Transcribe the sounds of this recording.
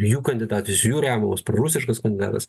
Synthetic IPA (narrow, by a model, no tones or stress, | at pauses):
juːkɐnʲd̪ʲɪd̪ɑːt̪ʲɪsʲʊjuːɾʲæːmɐmospɾɐɾusʲɪʃkɐskɐnd̪ʲɪd̪ɑ̰ːt̪ɐs